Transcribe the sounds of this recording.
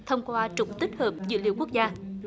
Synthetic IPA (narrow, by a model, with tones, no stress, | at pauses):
t̪ʰə˧wŋ͡mkwaː˧t͡ɕʊ˨˧˩ŋ͡m̚t̪i˦˥k̟̚həː˨˩p̚zɨ̰˧˥lḭ˧˨wku˦˥ək̚zaː˧